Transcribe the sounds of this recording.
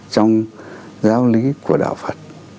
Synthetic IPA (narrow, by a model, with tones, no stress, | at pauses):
t͡ɕɔ˧wŋ͡m | zaː˨˦wli˨˦ku˧˩əɗa̰ː˧˨wfə˨˩t̚